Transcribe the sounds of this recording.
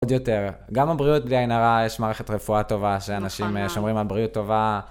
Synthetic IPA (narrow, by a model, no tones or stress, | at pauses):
od̪jo̞te̞ʁɡamabʁiut̚bliajnaʁajeʃmaːʁeχe̞tʁefuato̞vaʃeanaʃimʃo̞mʁimalbʁiut̪ːo̞va